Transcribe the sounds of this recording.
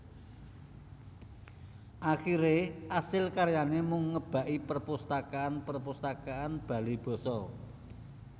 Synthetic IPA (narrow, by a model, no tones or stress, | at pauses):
ʔaxiɾeʔasɪlkaɾjanemʊŋːəb̥a̤ʔipərpust̪akaanpərpust̪akaanb̥ä̤lib̥ɔ̤sɔ